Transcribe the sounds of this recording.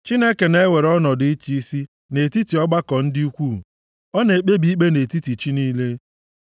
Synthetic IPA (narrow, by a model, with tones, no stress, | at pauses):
t͡ʃi˦ne˦ke˨ne˦we˨ɾɔ˦nɔ˨dɪ˨i˦t͡ʃi˦i˦si˦ | ne˨ti˦ti˨ɔ˦ɡ͡ba˦kɔ˨n̩˦dɪ˦u˦kʷu˦˨ | ɔ˦ne˨k͡pe˦bi˨i˦k͡pe˦ne˨ti˦ti˨t͡ʃi˦niː˦le˦